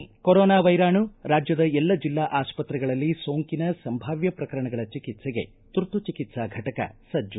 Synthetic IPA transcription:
koɾɔːnaːʋɐjɾaːɳuɾaːd͡ʒjɐd̪ɐɛlːɐd͡ʒilːaːʔaːspɐt̪ɾɛɡɐɭɐlːisoːŋkinɐsɐmbʱaːʋjɐpɾɐkɐɾɐɳɐɡɐɭɐt͡ʃikit̪sɛɡe̞̰ | t̪uɾt̪ut͡ʃikit̪saɡʱɐʈɐkɐ̰sɐd͡ʒːu

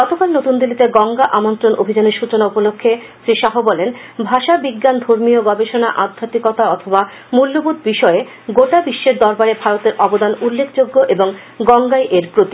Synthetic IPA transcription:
ɡɔt̪okalnot̪und̪ilːit̪eɡɔŋɡaʔamont̪ɾonʔobʱid͡ʑaneɾʃut͡ɕonaupolokʰːe | sɾiʃaɦobɔlenbʱaʃabiɡːand̪ʱoɾmioɡɔbeʃona̰ʔad̪ʱːat̪ikɔt̪aɔt̪ʰoba | mulːobud̪̚ʱbiʃɔe | ɡoʈabiʃːeɾd̪ɔɾbaɾebʱaɾot̪eɾʔɔbod̪anulːekʰd͡ʑoɡːoʔeboŋ | ɡɔŋɡajʔeɾpɾot̪i

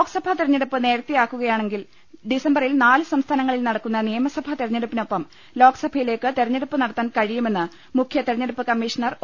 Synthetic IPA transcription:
oːɡsɐbʱɐt̪erɐɲːɐɽupːɨne̞ːɾɐt̪ːijaːkːuɣɐjaːɳe̞ŋɡil | ɖisɐmbɐrilnaːlɨsɐmst̪ʰaːnɐŋːɐɭilnɐɽɐkːunːɐnijɐmɐsɐbʱɐt̪eɾɐɲːɐɽupːino̞pːɐm | lo̞ːɡsɐbʱɐjile̞ːkːɨt̪erɐɲːeɽupːɨnɐɽɐt̪ːaːnkɐɻijume̞nːɨ | mukʰjɐt̪eɾɐɲːɐɽupːɨkɐmːiːʂɐnɐr

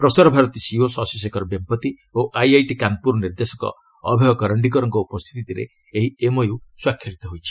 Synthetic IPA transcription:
pɾɔsɔɾɔbʱaɾɔt̪isiosasisekɔɾɔbempɔt̪i | oʔajajʈikanpuɾɔniɾd̪esɔ̥kɔ̰ | ɔbʱeɦɔkɔɾəɳɖik̬ɔɾɔŋkɔupɔst̪ʰit̪ʰit̪iɾḛ | eɦiemojwswakʰːjɔɾit̪ɔɦojt͡ʃʰi̥

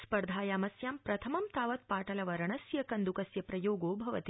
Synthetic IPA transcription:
spɐɾd̪ʱaːjaːmɐsjaːmpɾɐt̪ʰɐmɐmt̪aːʋɐt̪̚paːʈɐlɐʋɐɾɐɳɐsjɐkɐnd̪ukɐsjɐpɾɐjoːɡoːbʱɐʋɐt̪i

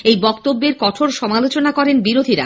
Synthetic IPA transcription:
ejbɔkt̪obːeɾkɔʈʰoɾʃɔmalot͡ɕonakɔɾenbiɾod̪ʱiɾa̰

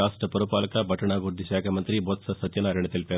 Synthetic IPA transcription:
aːsʈɾɐpɐɾʋupaːlɐkabʱɐʈɐɳaːɡuɾd̪ʱiʃaːkʰɐmɐnt̪ɾibot̪sɐsɐt̪jɐnaːɾɐɳɐt̪ilpe

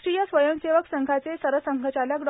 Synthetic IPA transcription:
ɾijasʋəjəmseʋəksəŋɡʱat͡sesəɾʋəsəŋɡʱət͡ɕaljakɖ

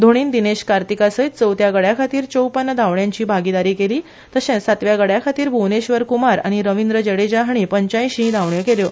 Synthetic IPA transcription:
d̪ʱoɽ̃iːnd̪ineɕkaɾt̪ikasəjt̪̚t͡səwt̪jaɡəɽjakʰat̪iːɾt͡ɕowpənːəd̪ʱaʋɳjãɲt͡ɕiːbʱaɡid̪aɾiːkeliː | t̪əɕɛ̃sat̪ʋjaɡəɽjakʰat̪iːɾbʱuʋneɕʋəɾkumaɾa̰ɽ̃iɾəʋind̪ɾəd͡ʑəɽed͡ʑaɦaɳ̃iːpəɲt͡ɕaj̃ɕĩd̪ʱaʋɳjəkeljo

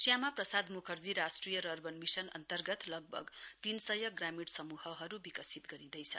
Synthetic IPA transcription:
sjamaprʌsad̪mukʰʌrd͡ziɾasʈrijʌɾʌrbʌnmisʌnʌ̰nt̪ʌrɡʌt̪lʌɡ̚bʱʌ̰ɡt̪insʌjʌɡramiɽsʌmuhʌɦʌɾubikʌsit̪ɡʌɾid̪ʌjt͡sʰʌ̰

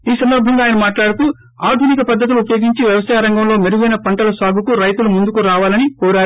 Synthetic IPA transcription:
iːsɐnd̪ɐɾbʱɐŋɡaːjɐnɐmaːʈlaːɽut̪u | aːd̪ʱunikɐpɐd̪ʱːɐt̪̬uluupɐjo̞ːɡiɲt͡ʃiʋjɐʋɐsaːjɐɾɐŋɡɐmlo̞ːmeɾuɡɐjnɐpɐɳʈɐlɐsaːɡʱukuɾɐjt̪ulumund̪ukuɾaːʋaːlɐnikɔːɾaːɾu

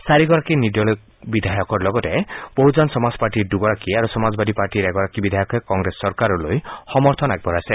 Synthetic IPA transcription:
saɾiɡɔɾakinid̪jɔlk̚ | bid̪ʱajɔkɔɾlɔɡɔteb̥oɦud͡ʒɔnsɔmazpaɾʈiɾduɡɔɾakiaɾusɔmazɔbad̪ʱipaɾʈiɾɛɡɔɾakibid̪ʱajɔkʰekɔŋɡɾesːɔɾkaɾɔlojxɔmɔɾt̪ʰɔnaɡ̚bʱɔɾase

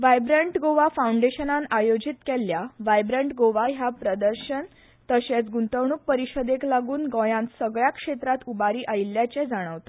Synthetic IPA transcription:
ʋajbɾeɳʈɡoʋafawuɳɖeɕənãnajod͡ʑit̪kɛljaʋajbɾẽɳʈɡoʋaɦjapɾəd̪əɾɕən | t̪əɕet͡sɡunt̪əʋɳ̃uːk̚pəɾiɕəd̪eklaɡuːnɡɔ̃jãnt̪səɡɭjakʂet̪ɾat̪ubaɾiːʔailːjat͡ɕed͡zaɽ̃əʋt̪o̥

